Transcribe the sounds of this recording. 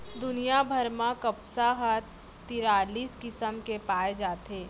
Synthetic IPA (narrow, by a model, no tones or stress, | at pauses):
d̪ʊnijabʱəɾmãkɐpsaɦat | t̪ɪɾaːliːskɪsəmkepaːed͡ʒaːt̪eː